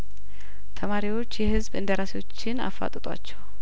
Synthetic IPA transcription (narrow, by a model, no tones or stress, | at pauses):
t̪ʰəmaɾiwo̞t͡ʃːjɛhɨzbɨnd̪əɾasiwo̞t͡ʃːɪna̰fːa̰t̪ʼt̪ʼa̰t͡ʃːɛw